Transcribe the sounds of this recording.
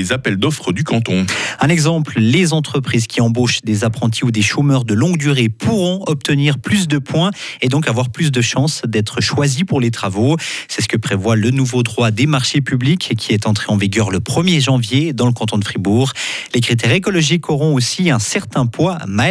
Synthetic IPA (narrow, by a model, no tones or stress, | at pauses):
ezapɛld̪ɔfχəd̪ykɑ̃t̪ɔ̃ɛ̃nɛɡzɑ̃pllezɑ̃t̪χəpχiːzkʲiɑ̃boʃd̪ezapχɑ̃t̪ʰiud̪eʃomœʁd̪əlɔ̃ɡd̪yʁepʰuʁɔ̃ɔp̚t̪əniʁplys̬d̪əpwɛ̃ed̪ɔ̃kavwaʁplys̬d̪əʃɑ̃sd̪ɛt̪χəʃwazipuʁlet̪χavosɛsə̥kəpχevwalənuvod̪ʁwad̪emaʁʃepyblikʲʰːiɛt̪ɑ̃t̪χeɑ̃viɡʲœʁləpχəmjeʒɑ̃vjed̪ɑ̃ləkɑ̃t̪ɔ̃d̪əfχibuːʁlekχit̪̬ɛʁekɔlɔʒikɔʁɔ̃osiɛ̃sɛʁt̪ɛ̃pwama